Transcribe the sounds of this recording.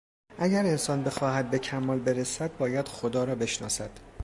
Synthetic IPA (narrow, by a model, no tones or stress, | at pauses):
ʔæɟæɾe̞nsɒːnbe̞xɒːhæd̪̚be̞cʰæmːɒːlbe̞ɾesæd̪̚bɒːjæd̪̥xod̪ɒːɾɒːbe̞ʃnɒ̰ːsæd̪̥